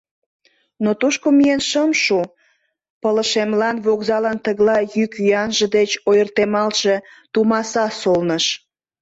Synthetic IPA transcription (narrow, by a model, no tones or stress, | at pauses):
not̪uʃkomijenʃəmʃu | pələʃemlɑnβoɣzɑlənt̪əɣlɑjykyjɑnʒə̆d̪et͡ɕojərt̪emɑlʃe̽t̪umɑsɑsolnəʃ